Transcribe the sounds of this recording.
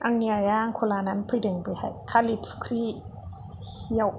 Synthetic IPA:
ʔaŋniajaŋkʰolaːnanpʰɯdɯŋbɯha̰kʰalipʰkʰɾi | jaw

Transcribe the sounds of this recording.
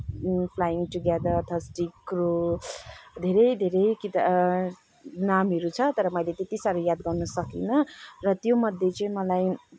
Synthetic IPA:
pʰlajiŋʈuɡed̪ʌʌt̪ʰaasʈikːro | d̪ʱeɾʌjd̪ʱeɾʌjkit̪ | namʌɾut͡sʰʌt̪ʌɾʌmʌjlet̪et̪isaɾujad̪ɡʌrnʌsʌkḭnʌrʌt̪jomʌd̪ʱːjet͡sʌĩmʌlaj

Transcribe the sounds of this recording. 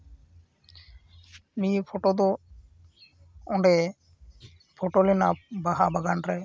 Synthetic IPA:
nipʰɔʈod̪ɔ | ɔɳɖɛ | pʰɔʈolɛnabaɦabaɡanɾɛ

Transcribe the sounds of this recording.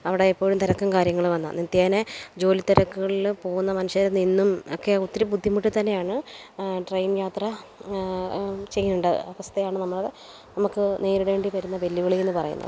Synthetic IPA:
ɐʋiɽe̞ipːo̞ːɻumt̪iɾɐkːumkaːɾjɐŋːɐɭuʋɐnːa̰nit̪ːjaːned͡ʑo̞ːlit̪ːɐɾɐkːuɣɐɭilpo̞ːɣunːɐmɐnuɕɐlɐninːumo̰kːeot̪ːiɾubud̪ʱːjimuʈːɨt̪ɐnːe̞jaːɳɨɖrɐjnjaːt̪rɐ | t͡ɕe̞j̪ːuɳɖɐ̰ɐʋɐst̪ʰɐjaːɳɨnɐmːɐɭɐðe | nɐmukːɨne̞ːɾiɽe̞ːɳɖiʋɐɾunːɐbe̞lːuɣɐɭienːɨpɐrɐ̰jṵnːɐ̰ðɨ

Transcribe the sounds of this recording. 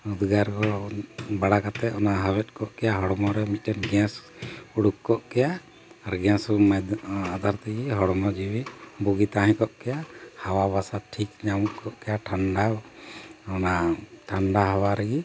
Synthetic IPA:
ud̪ɡaɾkɔbaɽakat̪ɛɔnaɦawɛt̪̚ˀkɔʔkɛjaɦɔɽɔmɔɾɛmit̪̚ʈɛnɡɛ̃suɽukkːɔʔkɛja | aɾɡɛ̃smaad̪ʱaɾt̪ɛɡiɦɔɽɔmɔd͡ʒiwibuɡit̪ãɦɛ̃kɔʔkɛjahawaβasaʈʰikɲamukʰɔʔkɛjaʈʰaɳɖa | ɔnaʈʰaɳɖaɦawaɾɛɡi

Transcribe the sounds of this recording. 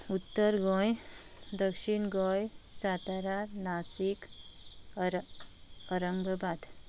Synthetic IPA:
ut̪ːəɾɡɔ̃j | d̪əkʂiɳɡɔjsat̪aɾaɾnasik | əɾəŋɡəbad̪

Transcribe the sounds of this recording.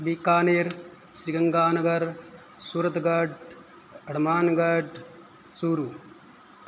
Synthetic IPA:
bikːaːneːɾ | ʃɾiɡɐŋɡaːnɐɡɐɾ | suːɾɐt̪ɡɐɖ | ɐɽmaːnɡɐɖ | t͡suːɾu

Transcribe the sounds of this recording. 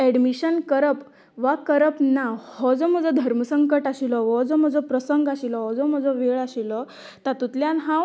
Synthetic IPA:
ɛɽmiɕənkəɾəp | ʋakəɾəpnahɔd͡zɔm̤əd͡zɔd̪ʱəɾməsəŋkəʈaɕilɔʋɔd͡zɔm̤əd͡zɔpɾəsəŋɡaɕilɔɦɔd͡zɔm̤əd͡zɔʋeɭaɕilɔ | t̪at̪ut̪ljãnɦã

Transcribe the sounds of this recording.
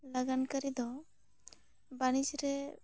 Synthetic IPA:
laɡankəɾid̪ɔ | baɽ̃id͡ʒɾɛ

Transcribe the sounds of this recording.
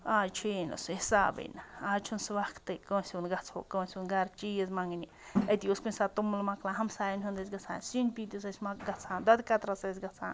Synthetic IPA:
at͡ʃʰino̰suhsabḛnaat͡ʃʰunswakʰt̪ekosunɡat͡sʰo̰kosʲuɡaɾt͡ʃies̬mãŋɡinʲĩet̪ʲjuskʷĩnsat̪umlmãklaɦamsajnɦũnd̪es̬ɡat͡sʰa̰nsinpit̪jus̬asmaɡat͡sʰand̪at̪ekat̪ɾasas̬ɡat͡sʰa̰n

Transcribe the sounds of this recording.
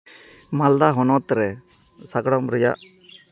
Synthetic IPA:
mald̪aɦɔnɔt̪ɾɛ | saɡɽɔmɾɛja̰ʔ

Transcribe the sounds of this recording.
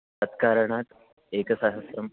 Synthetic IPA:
ət̪kaɾəɳat̪ | ekəsaɦəsɾɐm

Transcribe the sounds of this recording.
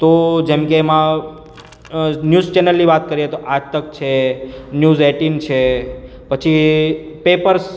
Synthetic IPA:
t̪od͡ʒemkeːmã | njuzt͡ʃɛnəlːiʋat̪̚kəɾiet̪oʔad͡ʒt̪ək̚t͡ʃʰenjuzeʈint͡ʃʰe | pət͡ʃʰipepəɾs

